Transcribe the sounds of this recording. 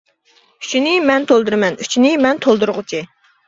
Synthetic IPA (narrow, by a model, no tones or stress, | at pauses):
y̥t͡ʃʰinɪmɛnt̪ʰolˠd̪ɨɾmɛnyt͡ʃʰinɪmɛnt̪ʰolˠd̪uɾʁʊt͡ʃʰi